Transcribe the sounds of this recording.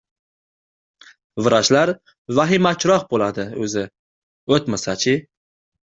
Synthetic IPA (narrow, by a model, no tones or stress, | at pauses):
vɨɾaʃlaɾ | vaɦɪmat͡ʃʰɾɒqbolˠad̪ɪɵzɪ | ot̪masat͡ʃʰɪ